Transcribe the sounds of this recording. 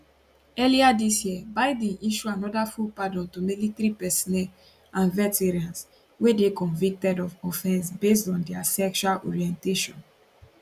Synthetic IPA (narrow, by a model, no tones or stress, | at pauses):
ɛliadisjiɛbaɪdĩʔiʃuanɔdafupadɔ̃ntomilitɾipɛsinɛl | ãnvɛteɹãns | wedekɔ̃nvik̚tɛdɔvɔfɛ̃nsbes̬tɔ̃ndɛasɛkʃualʔɔ̰ɹiɛ̃nteʃɔ̃n